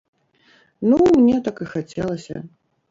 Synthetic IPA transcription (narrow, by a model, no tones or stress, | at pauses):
numnʲɛt̪akɨxat͡sʲɛlˠɐsʲɐ̰